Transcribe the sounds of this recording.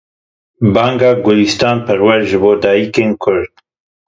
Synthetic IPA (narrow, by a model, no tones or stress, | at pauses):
bɑːŋɡɑːɡʊlist̪ɑːnpʰɛɾwɛɾʒɨboːd̪ɑːjikeːnkʰʊɾd̪̥̚